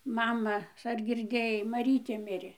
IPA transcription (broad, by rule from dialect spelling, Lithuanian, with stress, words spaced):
ˈmɑːmɐ ɐr ɡʲɪrʲˈdʲeːjɛɪ mɐˈrʲiːtʲeː ˈmʲɪrʲeː